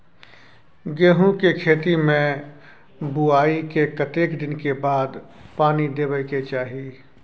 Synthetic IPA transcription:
ɡeːɦũkekʰeːt̪imẽ | buaːikekət̪eːkd̪ɪnkebaːd̪paːnid̪eːbəɪket͡ʃaːɦi

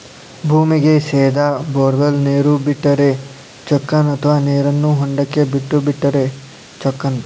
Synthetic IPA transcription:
bʱuːmiɡeseːd̪aboːɾbɐlneːɾubiʈːɐɾe̞ | t͡ʃɐkːɐnɐt̪ʰɐʋaːneːɾɐnːuɦoɳɖɐkːebiʈːubiʈːɐɾe | t͡ʃɔkːɐn

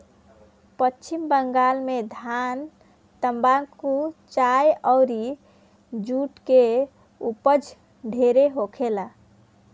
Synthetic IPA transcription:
pətːt͡ʃʰimbəŋɡalmed̪ʱan | t̪əmbakut͡ʃajɔwɾi | d͡ʒuʈke | upəd͡ʒ | ɖʱeɾeɦokʰela

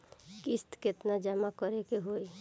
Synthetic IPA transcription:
kɪst̪ket̪nad͡ʒəmakəɾekeɦoi

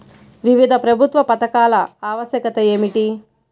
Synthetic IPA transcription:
ʋiʋid̪ʱɐpɾɐbʱut̪ʋɐpɐt̪ɐkaːlɐaːʋɐsjɐkɐt̪ɐeːmiʈi

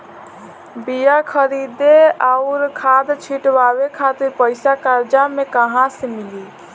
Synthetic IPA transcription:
bijakʰəɾid̪eaʊɾkʰad̪t͡ʃʰiʈʋaβekʰat̪iɾpəɪsakaɾd͡ʒamekəɦãsemili

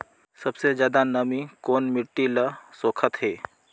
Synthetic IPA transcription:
sɐbsed͡ʒjaːd̪anɐmikoːnmɪʈːiləsoːkʰət̪ɦeː

